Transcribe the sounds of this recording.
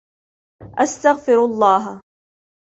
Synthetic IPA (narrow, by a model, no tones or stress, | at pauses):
ʔast̪aɣfɪɾɑlˤːɑːɦa